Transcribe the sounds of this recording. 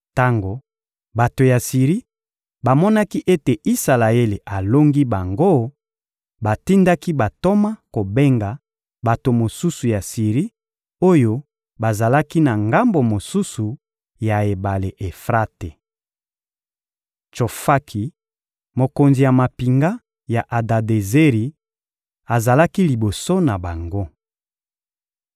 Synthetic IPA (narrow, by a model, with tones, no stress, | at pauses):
ta˦ŋɡo˨ | ba˨to˨ja˨si˨ʁi˦ | ba˨mɔ˦na˦ki˦ʔe˦te˨ʔi˦sa˨la˨e˦le˨ʔa˨lo˦ŋɡi˦ba˨ŋɡo˦ | ba˨ti˦nda˦ki˦ba˨to˦ma˦ko˨be˦ŋɡa˨ | ba˨to˨mo˨su˦su˨ja˨si˨ʁi˦ | o˦jo˦ | ba˨za˨la˦ki˦na˨ŋɡa˦mbo˨mo˨su˦su˨ | ja˨e˨ba˨le˨ʔe˨fʁa˦te˨ | t͡ʃo˨fa˦kʰi˨ | mo˨ko˨nzi˨ja˨ma˨pi˨ŋɡa˦ | ja˨ʔa˨da˨de˨ze˦ʁi˨ | a˨za˨la˦ki˦li˨bo˨so˦na˨ba˨ŋɡo˦